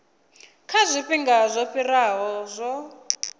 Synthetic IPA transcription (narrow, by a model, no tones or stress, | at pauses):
kʰazʷiɸiŋɡazʷɔɸiɾaɦɔzʷɔ